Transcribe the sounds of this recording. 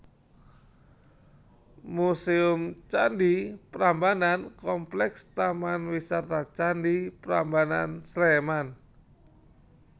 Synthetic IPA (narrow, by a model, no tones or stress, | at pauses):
musiʊmt͡ʃandipɾambanankɔmplɛkst̪amanwisart̪at͡ʃandipɾa̰mbana̰nsleman